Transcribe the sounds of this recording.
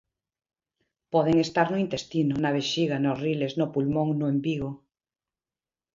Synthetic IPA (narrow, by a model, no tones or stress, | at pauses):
poðeŋest̪aɾnoĩnt̪est̪inonaβ̞eʃiɣanorileznopulmõŋnoembiɣo